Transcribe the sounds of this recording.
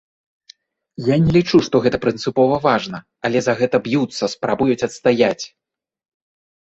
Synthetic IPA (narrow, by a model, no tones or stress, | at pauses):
janʲɛlʲit͡ʂuʂt̪ɔɣɛt̪ɐpɾɨnt̪sɨpɔvɐvaʐnɐ | ɐlʲɛzɐɣɛt̪ɐbjut̪sːɐspɾabujut͡sʲɐt̪st̪ajat͡sʲ